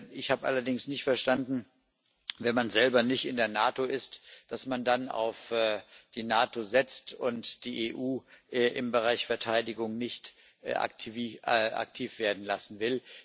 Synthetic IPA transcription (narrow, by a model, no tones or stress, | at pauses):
ɪçhaːbəʔa̰lɐdɪŋsnɪçtfɛɐʃtandn̩ | vɛnmanzɛlbɐnɪçtɪndeːɐnaːtoɪstd̥asmandana̰ʊfd̥iːnaːtozɛt͡stʊntd̥iːʔeːʔuːʔʔɪmbəʁaɪçfɛɐtʰaɪdɪɡʊŋnɪçt | ʔa̰ | ʔa̰k̚tʰiːfv̥eːɐdn̩lasn̩vɪl